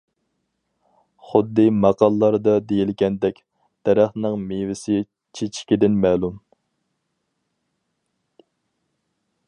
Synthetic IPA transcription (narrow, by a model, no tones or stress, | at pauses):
χʊd̪ːɨmɑqɑlˠlːˠɑɾd̪ɑd̪ejilɡʲɛnd̪ɛkʲ | d̪̥ɛɾæχnɨŋmevɪsɪ | t͡ʃʰet͡ʃʰɪ̥kʲid̪ɪnmɛːlˠum